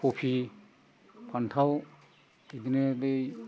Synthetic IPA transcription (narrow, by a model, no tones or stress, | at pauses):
pʰopʰi | pʰantʰaw | ed̪inelej